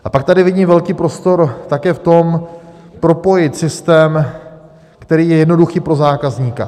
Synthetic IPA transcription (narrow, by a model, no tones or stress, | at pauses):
ʔapak̚t̪adɪvɪɟiːmvɛlkiːpɾo̞st̪o̞ɾt̪akɛːft̪o̞m | pɾo̞po̞jɪt̪sɪst̪ɛːm | kt̪ɛɾiːjɛjɛdno̞duxiːpɾo̞zaːkazɲiːka̰